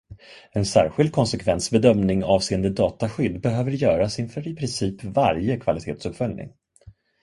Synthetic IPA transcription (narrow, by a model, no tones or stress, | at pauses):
ɛnsæ̰ːɾɧɪld̪̚kʰɔnsɛkʰvɛnsbɛd̪œmnɪŋɑːvseːənd̪əd̪ɑːt̪aɧʏd̪ːbɛɦøːvəɾjœːɾasɪnfœɾɪpʰɾɪnsiːpvaɾjəkʰvalɪt̪ʰeːt̪sɵpfœlnɪ̰ŋ